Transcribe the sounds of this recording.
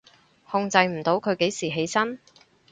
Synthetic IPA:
hʊ˧ŋt͡sɐ˧jm̩˨˩t̪o˨˥wkʰɵ˨˧ɥke˨˥jsiː˨˩ɦe˨˥jsɐ˥n

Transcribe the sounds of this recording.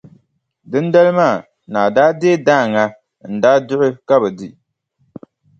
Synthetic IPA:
dɨ˦nda˦lɨ˦maː˦˨ | na˨daː˦deː˦daː˦˨ŋa˦ | n̩˨daː˦dʊ˦ʔɪ˦ka˦bɨ˨di˦

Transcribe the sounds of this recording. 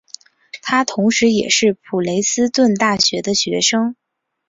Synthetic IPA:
t̪ʰa˥t̪ʰʊ˧˥ŋʂɻ̩˧˥jɛ˨˩ʂɻ̩˥˩pʰu˨˩le˧˥ɪsɹ̩˥t̪wə˥˧nt̪a˥˩ɕɥɛ˧˥d̪ə˧ɕɥɛ˧˥ʂɤ˥ŋ

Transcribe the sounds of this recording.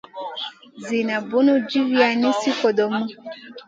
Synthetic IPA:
zi˨na˨bu˨˦nu˦d͡ʒi˦vi˦a˨nĩ˦si˦kɔ˨dɔ˨mũ˦

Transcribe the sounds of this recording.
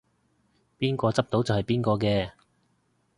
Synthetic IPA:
piː˥nkɔː˧t͡sɐ˥p̚t̪o˨˥wt͡sɐ˨whɐ˨jpiː˥nkɔː˧kɛː˧

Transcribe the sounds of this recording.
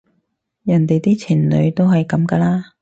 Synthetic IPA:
jɐ˨˩nt̪e˨jt̪iː˥t͡sʰiː˨˩nlɵ̰˨˧ɥt̪o˥wɦɐ˨jkɐ˨˥mkɐː˧laː˥

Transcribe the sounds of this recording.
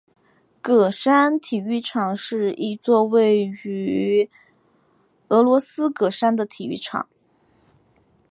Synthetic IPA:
kɤ˨˩ʂa˥nt̪ʰi˨˩y˥˩ʈ͡ʂʰɑ˨˩ŋʂɻ̩˥˧i˥˧t͡swɔ˥˧we˥˩ɪy˧˥ | ɤ˧˥lwɔ˧˥sɹ̩˥kɤ˨˩ʂa˥nd̪ə˨t̪ʰi˨˩y˥˩ʈ͡ʂʰɑ̰˨˩˦ŋ

